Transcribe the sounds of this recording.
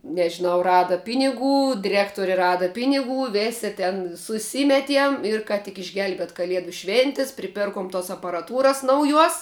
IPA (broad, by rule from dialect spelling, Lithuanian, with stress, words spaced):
nʲɛʒʲɪˈnɐʊ ˈrɑːdɐ ˈpʲɪnʲɪˌɡuː dʲɪˈrʲæːktoːrʲɪ ˈrɑːdɐ ˈpʲɪnʲɪˌɡuː ˈʋʲeːsʲɪ tʲɛn sʊˈsʲɪmʲɛtʲiɛm ɪr ˈkɐ tʲɪk ɪʒʲˈɡʲɛlʲbʲiɛtʲ kɐˈlʲiɛdʊ ˈʃʲʋʲeːnʲtʲɪs pʲrʲɪˈpʲɪrkoːm toːs ɐpɐrɐˈtuːrɐs nɐʊˈjuɔs